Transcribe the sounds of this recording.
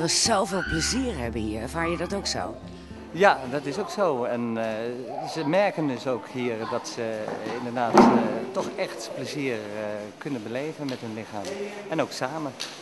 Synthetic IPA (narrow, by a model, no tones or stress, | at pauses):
rəsowvɪːlˠpləziːɹɦɛbənɦiːɹɛɹvaːɹjədɑtowkso̰w | jadɑtɪsowksowɛn | zəmɛɹkəndɵsowkɦiːɹdɑtsəɪndəɹdaːttːɔχɛχtpləziːɹkɵnənbəlejvənmɛtɦɵnlɪχaːmɛnowksaːmən